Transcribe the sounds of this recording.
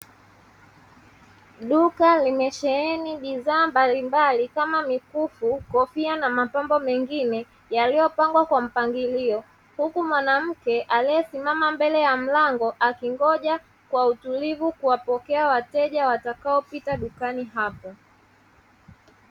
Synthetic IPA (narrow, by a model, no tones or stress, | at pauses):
ɗukalimɛʃɛɛniɓiðaːmbalimbalikamamikufukɔfianamapambɔmɛŋɡinɛ | jalijɔpaŋɡwakwam̩paŋɡiliɔ | hukumwanam̩kɛʔalijɛsimamambɛlɛjam̩laŋɡɔʔakiŋɡɔʄa | kwautulivukuwapɔkɛawatɛʄawatakaɔpitaɗukaniɦapɔ